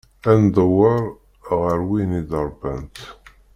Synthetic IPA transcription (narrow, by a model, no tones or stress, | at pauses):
ænd̪ˤəwəɾˤ | ʁəɾwinid̪əɾˤbæ̰nt̪